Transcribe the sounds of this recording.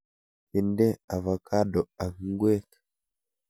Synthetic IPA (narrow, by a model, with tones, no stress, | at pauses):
i˨ndɛ˦a˨va˨kʰa˦ɗɔ˨a˨ŋi˦ɡwɛ˦kḁ˨